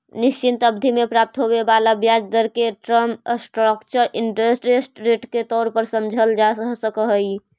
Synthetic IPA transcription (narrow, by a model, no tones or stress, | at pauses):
nist͡ʃint̪əbd̪ʱimepɾap̚t̪ɦobebalabjad͡ʒd̪əɾkeʈɾəmsʈɾəkt͡ʃəɾiɳʈɾesʈɾesʈɾeʈket̪ɔɾpəɾsəmd͡ʒʱəld͡ʒasəkəɦəj